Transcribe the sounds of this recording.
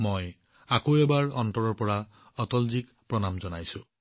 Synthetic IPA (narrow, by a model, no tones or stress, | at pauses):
moj | akoebaɹɔntɔɹɔɹpɔɹa | ɔt̪ɔlzik | pɹɔnamzɔnajsũ